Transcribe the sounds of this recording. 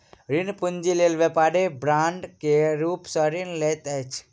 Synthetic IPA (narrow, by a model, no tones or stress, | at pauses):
ɾinpund͡ʒileːlʋepaːɾebɾaːɳɖkeɾuːpsə̃ɾinlet̪ɛt͡ʃʰ